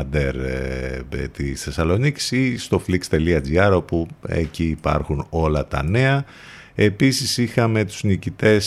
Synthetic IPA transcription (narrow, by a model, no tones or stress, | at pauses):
d̪eɾ̰ | t̪isθe̞sɐlo̞nici̥sist̪o̞flikst̪e̞liɐd͡ziɐɾo̞puḛciːpɐ̰ɾxuno̞lɐt̪ɐ̰ne̞ɐ | e̞pisisixɐme̞t̪u̥znicit̪e̞s